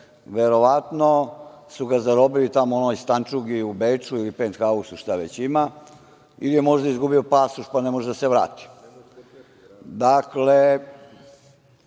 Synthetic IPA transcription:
ʋeɾo̞ʋat̪no̞suɡazaɾo̞bilit̪amoonojst̪ant͡ʂuɡiubet͡ʂuilipeːnt̪xausuʃt̪aʋet͡ɕima | ḭlijemo̞ʒd̪aizɡubiopasuʃpanemoʒd̪aseʋɾa̰ːt̪i̥ | d̪akle

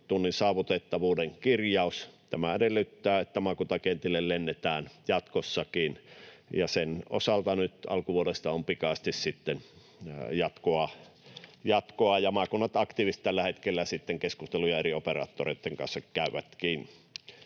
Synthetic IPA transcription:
t̪unːinsɑːʋut̪et̪ːɑʋuːdeŋkirjɑust̪æmæedelːyt̪ːæːet̪ːæmɑkut̪ɑkent̪ilːellenːet̪æːnjɑt̪kosːɑkinjɑseno̰sɑlt̪ɑnyt̪ɑ̰lkuʋuolest̪ɑompikɑst̪issit̪ːen | jɑt̪koɑ | jɑt̪koɑjɑmɑkunːɑt̪ɑkt̪iːʋist̪t̪ælːæhet̪kelːæsit̪ːeŋkeskust̪elujɑerioperɑ̰ːt̪ːorḛˑit̪ːeŋkɑ̰nsːɑkkæˑyʋæt̪kiːnːi

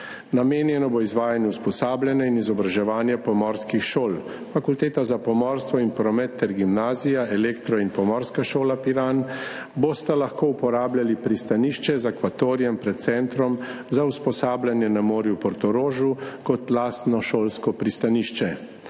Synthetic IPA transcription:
nameːnjɛnɔboizʋaːjanjɛwspɔsaːblʲanjainizɔbɾaʒɛʋaːnjɛpɔmɔɾskixʃoːl | fakult̪eːt̪azapɔmɔːɾst̪ʋɔinpɾɔmɛt̪ːɛɾɡimnaːzijaɛleːkt̪ɾɔinpɔmɔɾskaʃoːlapiɾan | bost̪alaxkoːupɔɾaːbljalipɾist̪aniːʃt͡ʃɛzakʋat̪oːɾijɛmpɾɛt̪̚t̪sɛnt̪ɾɔm | zauspɔsaːblʲjanjɛnamoːɾjupɔɾt̪ɔɾoːʒukɔt̪laːst̪nɔʃoːlskɔpɾist̪aniʃt͡ʃɛ

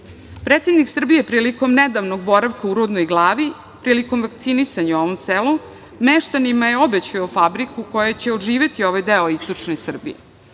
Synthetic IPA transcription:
pɾeːt̪sed̪niksr̩bije̞pɾiːliko̞mned̪aʋno̞ɡ̚bo̞ɾaʋkauɾud̪nojɡlˠaːʋi | pɾiːliko̞mʋakt̪sinisaɲao̞ʋomselu | meʃt̪animaje̞obet͡ɕujofabɾikukojet͡ɕe̞oʒiːʋe̞t̪io̞ʋajd̪eoist̪o̞t͡ʂnesr̩bḭje

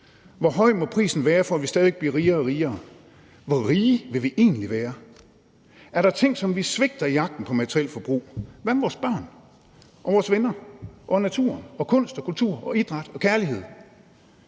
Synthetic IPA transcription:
ʋɒɦɒ̽ɪ̰mɔ̽pʰʁḭːsn̩ʋæːɐfɒæʋisd̥ɛːðˠʋeɡ̥̚b̥lḭːʁiːɐːʁiːɐː | ʋɒʁiːʋe̝ʋiʔe̝̰ːnliʋæːɐ | æɐɾɑ̈t͡sʰe̝ŋ̰sɒ̽mʋisʋe̝ɡ̥̚d̥ɐijɑ̈ɡ̥̚d̥n̩pʰɒ̽mæt͡sʰʁiel̰fɒ̽b̥ʁṵːʋæɐmeʋɒːsb̥ɶɐ̰n | ʔɒ̽ʋɒːsʋenɐʔɒ̽næt͡sʰṵɐ̰nɒ̽kʰɔ̽n̰sd̥ɒkult͡sʰuɐ̰ʔɒ̽id̥ʁɑ̈d̥ɒ̽kʰæɐliɦe̝ð̞̰ˠ

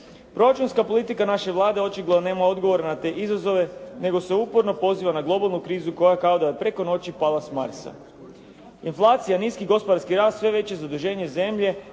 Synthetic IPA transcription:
pɾo̞ɾat͡ʃunskapo̞lˠit̪ikanaʃe̞ʋlˠaːd̪e̞o̞t͡ʃiɡlˠoane̞ːmao̞d̪ɡo̞ʋo̞ɾanat̪e̞ːʔizazo̞ʋe̞ne̞ɡo̞se̞uːpoɾno̞po̞ziːʋanaɡlˠo̞balˠnukɾiːzuko̞jakao̞d̪ajepɾeko̞no̞t͡ɕipalˠasmaɾsa̰ | inflˠaːt̪sijaniːskiɡo̞spo̞d̪aɾskiɾaːst̪sʋe̞ʋe̞t͡ɕe̞zad̪uʒe̞ːɲe̞ze̞mʎe̞

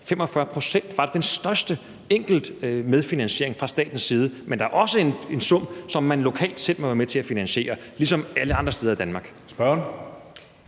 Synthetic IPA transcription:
femɒ̽fɶɐpʰʁo̝sen̰d̥ʋɑ̈d̥ed̥ensd̥ɶɐsd̥ə | eŋ̰ɡ̥l̩d̥með̞ˠfinænɕe̝ɐ̰e̝ŋfʁɑ̈sd̥ɛ̰ːd̥n̩sːiːð̞ˠəmʔend̥ɑ̈æɐʔɒ̽səe̝ne̝nsɔ̽m̰sɒ̽mːænlo̝kʰɛ̰ːld̥sel̰̥mɒʋæɐmet͡sʰe̝æfinænɕe̝̰ːɐlisɒ̽mæləɑ̈nd̥ʁɐsd̥eðɐid̥ænmɑ̈ːɡ̥ | sb̥ɶn

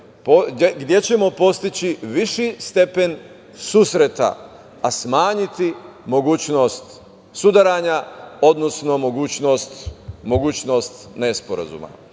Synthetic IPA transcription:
poɡd̪je̞t͡ɕe̞mo̞po̞st̪it͡ɕiʋiʃist̪e̞pen | suːsɾet̪a̰ | asmaːɲit̪i | mo̞ɡuːt͡ɕno̞st̪ | sud̪aɾaɲao̞d̪nosno̞mo̞ɡuːt͡ɕno̞ːst̪mo̞ɡuːt͡ɕno̞ːst̪nespoɾa̰zṵːma̰

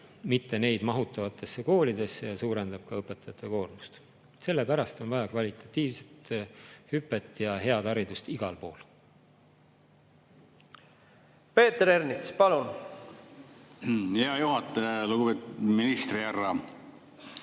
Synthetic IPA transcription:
mit̪ːe̞ne̞jd̪mɑɦut̪ːˑɑvɑt̪ːˑe̞sːeko̞ːlid̪̥e̞sːejɑsuːɾe̞nd̪̥ɑb̥̚kɑɤpːˑe̞t̪ːˑɑjɑt̪ˑːeko̞ːrmust̪ | se̞lːe̞pæɾɑst̪o̞nvɑjɑkvɑlʲit̪ˑɑ̥t̪ːˑiːvse̞t̪hypːˑe̞t̪ːˑjɑɦe̞ɑd̪̥ɑɾid̪ust̪iɡ̥ɑlpo̞ːl | pe̞ːt̪ɾeɾnit̪spɑlun | heɑjuhɑt̪ˑːeluɡubet̪uminist̪riærːɑ

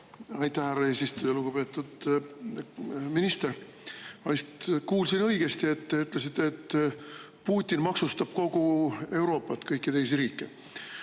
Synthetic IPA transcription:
ɑjt̪ːˑæhærɑeːsist̪ujɑluɡupe̞ːt̪ːˑud̪̥ | minist̪e̞ɾ | ɑlist̪kuːlsinɤjɡ̥e̞st̪ie̞t̪ːe̞yt̪ˑles̬it̪ːˑet̪ː | puːt̪ʲːˑinmɑksust̪ɑb̥ko̞ɡ̥ue̞wɾo̞ːpˑːɑt̪ːˑkɤjkːˑit̪e̞jsiɾiːkːˑe

